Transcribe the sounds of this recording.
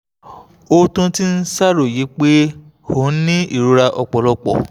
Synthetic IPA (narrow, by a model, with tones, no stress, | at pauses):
o˧tũ˧ti˦n̩˦sa˦ɾo˦˨ji˨˦k͡pe˦ | ho˨˦nĩ˦ḭ˦˨ɾu˨˦ɾa˧ʔɔ˧k͡pɔ˨lɔ˧k͡pɔ̰˨